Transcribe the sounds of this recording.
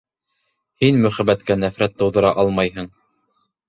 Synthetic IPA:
hinmɵ̆χæbæt̪kænæfɾæt̪ːɤ̆wðɤ̆ɾɑʔɑlˠmɑjɦɤɴ

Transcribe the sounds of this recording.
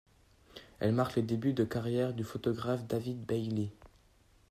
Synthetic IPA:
ɛ̰lmaʁkled̪ebyd̪əkaʁjɛʁd̪yfot̪ɔɡʁafd̪avid̪bɛjle

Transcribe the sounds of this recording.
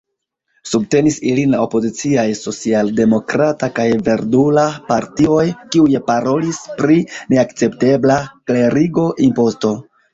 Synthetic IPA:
subte̞nisilinlao̞po̞zit͡siajso̞t͡sialde̞mo̞kɾatakajve̞ɾdulapaɾtio̞jkiujepaɾo̞lispɾine̞akt͡se̞pte̞blakle̞ɾiɡo̞ʔimpo̞sto̞

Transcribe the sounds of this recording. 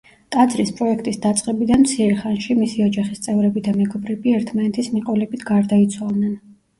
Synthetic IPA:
t̪ʼad̪zɾispʼɾɔɛkʰt̪ʼisd̪at̪sʼqʼɛbid̪anmt̪sʰiɛɾɛχanʃimisiɔd͡ʒaχist̪sʼɛvɾɛbid̪amɛɡɔbɾɛbiɛɾt̪ʰmanɛt̪ʰismiqʼɔlɛbit̪ʰɡaɾd̪ait̪sʰwalˠnɛn

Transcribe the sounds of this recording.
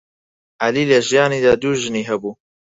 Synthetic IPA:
ʔaliːleʒɪjɑːniːd̪aːd̪uːʒɨniːɦɛbuː

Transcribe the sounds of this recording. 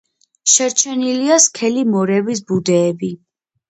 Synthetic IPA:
ʃɛɾt͡ʃʰɛniliaskʰɛlimɔɾɛbis̬bud̪ɛːbi

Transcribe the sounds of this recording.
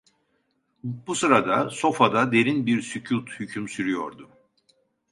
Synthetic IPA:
busɯɾad̪aso̞fad̪ad̪e̞ɾinbiɾsycʰut̪hycʰymsyɾyjo̞̰ɾd̪ʊ

